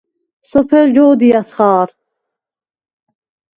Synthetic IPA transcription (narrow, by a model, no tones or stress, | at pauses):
sɔpʰɛld͡ʒɔːd̪ijasχɑːɾ